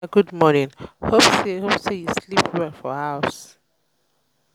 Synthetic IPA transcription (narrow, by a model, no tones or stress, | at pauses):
ɡudmɔnĩnhopsehopsejuslipwɛlfɔhaʊs